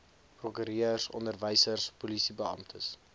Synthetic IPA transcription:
prɔkyɾiəərsɔ̰ndərvəjsərspulisibəɑ̰mtʰəs

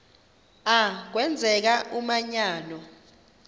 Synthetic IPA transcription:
ak̬wɛnd͡zʱɛk̬aʔumaɲaːnɔ

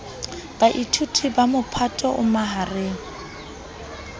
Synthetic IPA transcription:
b̥aʔitʰutʰibamʊpʰatʼɔʔʊmaɦareːŋ̩

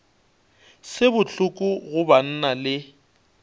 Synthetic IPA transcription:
sɪbʊt͡ɬʰʊkʼʊɣʊban̩nalɪ

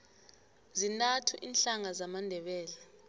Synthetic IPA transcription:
zinatʰuʔiːnɬaŋazamandʱɛɓɛːlɛ

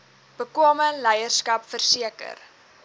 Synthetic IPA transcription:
b̥əkuoməlɛjərskɐpfərsiəkə̰r

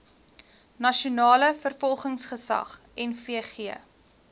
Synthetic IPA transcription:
nɐʃunɑːləfərfɔlˠχəŋsχəsɐ̰χɛnfiəχiə

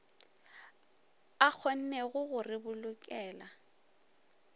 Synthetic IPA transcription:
ak͡xʰɔn̩nɛɣʊɣʊrɪbʊlʊkʼɛːla

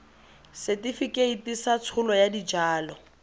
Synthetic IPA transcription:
setifikʼeitisat͡sʰʊlɔjadid͡ʒaːlɔ

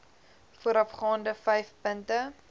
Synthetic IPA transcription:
fuəɾɐfχɑːndəfɛjfpəntə

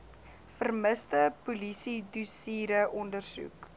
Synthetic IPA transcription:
fərməstəpulisidusiːɾəʔɔndərsṵk

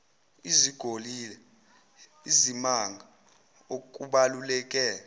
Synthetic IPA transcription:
iziɡ̥ʱoliːlɛ | izimaŋɡʱa | okʼuɓalulɛkʼɛːla

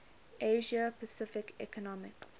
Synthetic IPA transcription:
ʔeːʒəpəsɪfɪkɛ̰kɔnɔmɪk

